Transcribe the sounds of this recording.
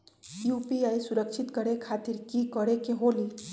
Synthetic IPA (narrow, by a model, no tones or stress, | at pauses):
jupiajsuɾək̚t͡ʃʰit̪kʌɾekʰat̪iɾkikʌɾekeɦoli